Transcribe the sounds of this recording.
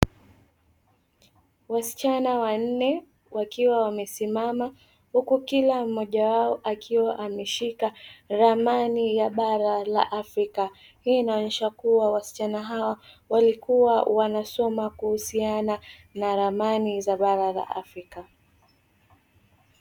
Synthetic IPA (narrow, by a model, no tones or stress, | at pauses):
wasi̥t͡ʃanawan̩nɛ | wakiwawamɛsimama | hukukilam̩ːɔʄawaɔʔakʰiwaʔamɛʃikaɾamanijaɓaɾala̰ʔafɾika | hiːnaɲɛʃakuwawasi̥t͡ʃanaɦawa | walikuwawanasɔmakuhusiananaɾamanizaɓaɾala̰ʔa̰fɾika